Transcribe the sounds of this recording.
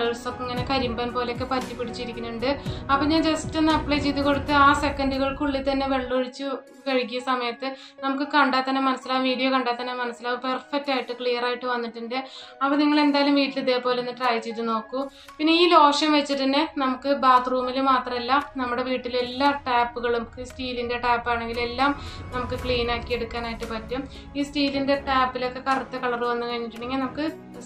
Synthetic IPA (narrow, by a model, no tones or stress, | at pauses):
ɐɭsokːiŋːɐnekɐɾimbɐnpo̞ːleokːe̞pɐtːipːeɽit͡ɕːuiɾikʲːunːuɳɖɨɐpːoɲaːnd͡ʑɐstenːɐpːɭejt͡ɕejt̪ːuko̞ɽut̪ːɨaːsekːɐnduɣɐɭkuɭːit̪ːɐnːe̞ʋe̞ɭːoɻit͡ɕːu | kɐɻikːijɐsɐmɐjɐt̪ːɨ | nɐmukːɨkɐɳɖaːt̪ːɐnːemɐnɐsːilaːʋiːɽijokɐɳɖaːt̪ːɐnːemɐnɐsilaːʋɨperfɐk̚taːjiʈːɨkɭijɐraːjiʈːɨʋɐnːiʈːɨɳɖɨɐpːɐniŋːɐɭe̞nd̪aːlumʋiːʈːiliðe̞ːpo̞ːleenːɨʈrɐːjt͡ɕːejt̪ːuno̞ːkːu | pinːeiːlo̞ːʂjɐmʋet͡ɕːiʈːinːɨnɐmukːɨbaːt̪ruːmilmaːt̪rɐmelːɐnɐmːuɽe̞ʋiːʈːile̞lːaːʈaːpːuɣɐɭumkiːsʈiːlinde̞ʈaːpːaːɳe̞ŋɡile̞lːaːmnɐmukːɨkɭiːnaːkːieɽukːaːnaːjiʈːɨpɐtːum | iːsʈiːlinde̞ʈaːpːilo̞kːe̞kɐrɐt̪ːɐkɐɭɐrʋɐnːukɐɻiɲːiʈːɨɳːiŋːɐnɐmukːɨ